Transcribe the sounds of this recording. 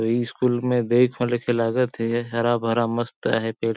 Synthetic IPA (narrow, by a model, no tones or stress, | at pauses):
iskuːlmẽd̪eːkʰalekʰelaːɡət̪iɦɐɾabʱɐɾaməst̪a̰ɦɛpeːɽ